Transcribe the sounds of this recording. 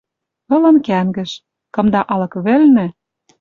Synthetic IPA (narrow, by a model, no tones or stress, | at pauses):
ɤ̆lɤ̆nkæŋɡɘ̆ʃ | kɤ̆md̪ɑʔɑlɤ̆kβɘ̆lnɘ̆